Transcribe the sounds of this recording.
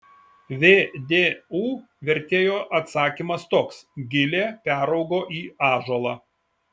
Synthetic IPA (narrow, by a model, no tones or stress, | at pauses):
ʋʲeːd̪ʲeːuː | ʋʲɛɾʲt̪ʲeːjoːʔɐt̪sɑːkʲiːmɐst̪oːksɡʲɪlʲeːpʲæːɾɒʊɡoːʔiːɑːʒoːlˠɑː